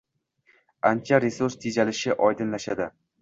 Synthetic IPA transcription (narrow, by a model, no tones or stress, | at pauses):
ant͡ʃʰaɾesuɾst̪ʰed͡ʒalɪʃɪʔɒjd̪ɪnlaʃad̪ɪ